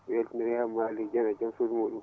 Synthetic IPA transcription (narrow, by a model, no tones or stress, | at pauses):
jɛltinɾɛhamːalid͡ʒɛnad͡ʒamsodumoɗu